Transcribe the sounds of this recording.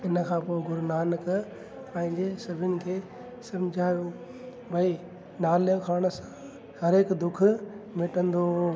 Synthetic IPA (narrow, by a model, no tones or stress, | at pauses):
ɪnə̆kʰãːpoːɪɡʊɾnaːnk | pɐ̃ɦɪ̃ɲd͡ʑesɐbʱɪnɪ̆kʰeː | sɐ̃md͡ʑʱaːjõː | bʱɐi | naːljokʰaːɽ̃sã | hɐɾeːkd̪ʊkʰʊ̆mɪʈə̃nd̪oː